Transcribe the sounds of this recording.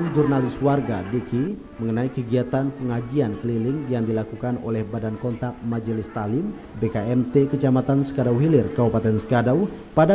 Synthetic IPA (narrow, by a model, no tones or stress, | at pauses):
nd͡ʒurnalɪswarɡa̰diki | məŋənaikəɡiat̪anpəŋad͡ʒiankəlilɪŋjaŋdilakukano̰lɛhbadankɔnt̪ak̪̚mad͡ʒəlɪst̪alɪm | bekaɛmt̪ɛkət͡ʃamat̪ansə̥kadawɦilɪrkaupat̪ɛnsə̥kadaw | pada